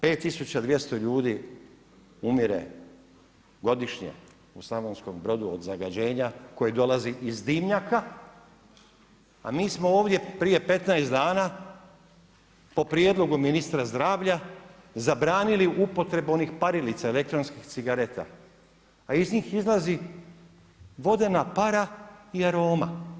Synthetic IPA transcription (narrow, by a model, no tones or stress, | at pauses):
pe̞ːt̪ːisut͡ɕad̪ʋje̞st̪o̞ʎuːd̪iː | umiɾe̞̰ | ɡo̞d̪iʃɲḛ | usaonsko̞mbɾo̞d̪uo̰d̪zaɡad͡ʑe̞ːɲako̞jed̪o̞laziʔizd̪imɲaka | a̰miːsmo̞oːʋd̪je̞pɾije̞pe̞t̪najst̪d̪aːna | po̞pɾije̞d̪lˠo̞ɡuminist̪ɾazd̪ɾaːʋʎazabɾaːniliʔupo̞t̪ɾe̞bo̞nixpaɾilit̪saele̞kt̪ɾonskixt̪siɡaɾe̞t̪a̰ː | izɲiːxizlˠazi | ʋo̞d̪e̞napaɾaiaɾo̞ːma